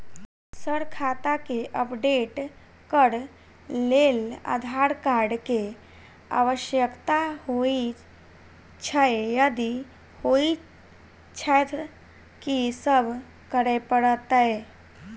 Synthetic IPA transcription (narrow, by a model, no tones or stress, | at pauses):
səɽkʰat̪akeʔəpɖeʈ | kəɽ | lela̰d̪ʱaɾkaɾɖke | a̰ʋəɕjəkt̪ahoi | t͡ʃʰaejəd̪i | hoi | t͡ʃʰajt̪ | kisəbʱ | kəɽepəɽət̪ae